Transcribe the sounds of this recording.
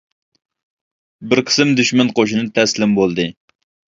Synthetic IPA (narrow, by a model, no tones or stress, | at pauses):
bɪɾqʰə̥sɪmd̪yʃmɛnqʰoʃɪnɨt̪ʰɛslɪmbolˠd̪ɨ